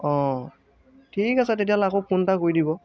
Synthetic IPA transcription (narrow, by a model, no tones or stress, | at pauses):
ɔ̃ | tʰikasɛt̬et̬ialakopuntakoidibɔ